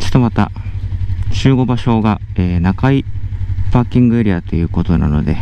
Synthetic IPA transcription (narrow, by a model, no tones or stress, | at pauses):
t͡ɕo̥t̪omat̪a̰ | t͡ɕɨːɡo̞baɕo̞ːɡaeːnakaipakʲĩŋɡɯ̟eɾʲiat̪o̞jɯ̟ːko̞t̪o̞na̰no̞̰d̪e̞